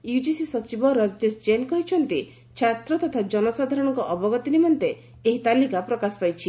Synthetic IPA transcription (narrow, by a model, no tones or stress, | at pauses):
jud͡ʒisisɔt͡ʃibɔɾɔd͡ʒd̪esd͡ʒenkɔɦit͡ʃʰɔnt̪i | t͡ʃʰat̪ɾɔt̪ɔt̪ʰad͡ʒɔnɔsad̪ʱaɾɔɽ̃ɔŋkɔʔɔbɔɡɔt̪inimɔnt̪e | eɦit̪alikapɾɔkasɔ̥pajt͡ʃʰi